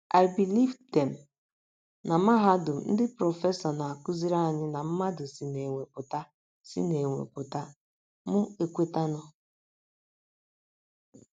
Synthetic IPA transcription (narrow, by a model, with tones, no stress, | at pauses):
a˨ɪ˨bi˨li˦vdɛ˨m̩˨ | na˨ma˦ɦa˦dʊ˨n̩˦dɪ˦pɾɔ˨fe˦sa˨na˨a˨kʊ˦zi˦ɾa˦˨ɲɪ˦na˨m̩˦ma˦dʊ˨si˦ne˨ŋʷe˨kʊ˨ta˦ | sḭ˦ne˨ŋʷḛ˨kʊ˨ta˦ | mʊ˦e˨kʷe˦ta˦nʊ˦